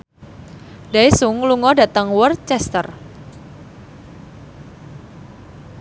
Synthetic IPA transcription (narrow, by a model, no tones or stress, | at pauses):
d̥aisuŋluŋɔdä̤t̪əŋwərt͡ʃɛst̪ə̰r